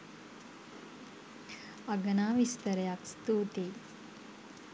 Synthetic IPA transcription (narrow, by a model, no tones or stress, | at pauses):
ɐɡɐnaːʋist̪ɐɾjakst̪uːt̪i